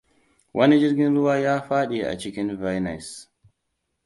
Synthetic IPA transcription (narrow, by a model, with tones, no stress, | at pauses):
wʔɐ˦ni˦d͡ʒɪ˦rɡʲɪ˦nɽʊ˦waː˦jaː˦ɸaː˦ɗe˨ʔa̰˨t͡ʃɪ˦kʲɪ˦nva˦jna˨s